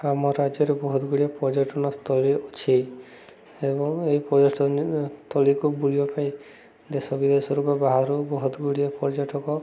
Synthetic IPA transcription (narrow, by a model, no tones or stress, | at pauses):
amɔɾad͡ʒɔɾebɔɦɔd̪ɡuɽiepɔd͡ʒaʈɔnɔst̪ʰɔliut͡ʃʰi | ebɔŋeipɔd͡ʒɔʈt̪ʰɔlikubuɭiɔpaĩ | d̪esɔbid̪esɔɾupɔbaɦaɾubɔɦɔd̪ɡuɽiepɔɾd͡ʒaʈɔkɔ